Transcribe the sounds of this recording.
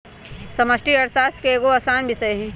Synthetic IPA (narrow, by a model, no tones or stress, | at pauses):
sɐmɐsʈiɐɾsaːskeeɡoɐsaːnbɪsəeɦɛ̃ː